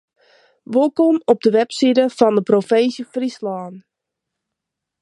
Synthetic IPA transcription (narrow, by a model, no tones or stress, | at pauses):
ʋolˠkomɔp̚dəʋɛpsidəfɔndəprofensjəfrislaːn